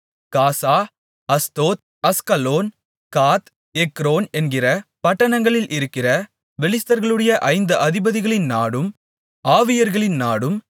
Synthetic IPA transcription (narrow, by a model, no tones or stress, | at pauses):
kaːsaː | ɐst̪oːt̪̚ɐskɐloːn | kaːt̪ | ɛkːɾoːnɛnɡɪrɐpɐʈːɐɳɐŋɡɐɭɪlʔɪɾɯkːɪrɐ | ʋɛlɪst̪ɐɾɣɐɭɯɽɐjɐʔɐɪnd̪ɯʔɐðɪbɐðɪɣɐɭɪnnaːɽɯm | aːʋɪjɐɾɣɐɭɪnnaːɽɯm